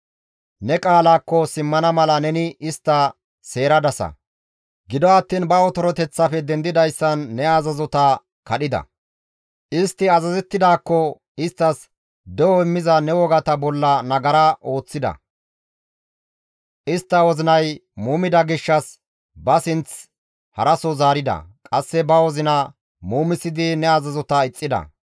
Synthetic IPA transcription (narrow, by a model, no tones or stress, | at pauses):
nɛkʼaːlaːkːɔsɪmːɐnɐmɐlɐnɛnɪɪst̪ːɐ | se̞ːɾɐd̪ɐsɐ̰ | ɡɪd̪ɔɐt̪ːiːnbɐɔt̪ɔɾɔt̪ɛt͡sːɐfɛd̪ɛnd̪ɪd̪ɐjsːɐnːɛɐzɐzɔt̪ɐ | kɐɗɪd̪ɐ̰ | ʔɪst̪ːɪɐzɐzɛt̪ːɪd̪aːkːɔ | ɪst̪ːɐs | d̪ɛwɔɪmːɪzɐnɛwɔɡɐt̪ɐbɔlːɐnɐɡɐɾɐʔo̞ːt͡sːɪd̪ɐ̰ | ʔɪst̪ːɐwɔzɪnɐjmuːmɪd̪ɐɡɪʃːɐs | bɐsɪnt͡s | hɐ̰ɾɐsɔzaːɾɪd̪ɐ̰kʼɐsːɛbɐwɔzɪnɐ | muːmɪsːɪd̪ɪnɛazɐzɔt̪ɐɪt͡sʼːɪd̪ɐ̰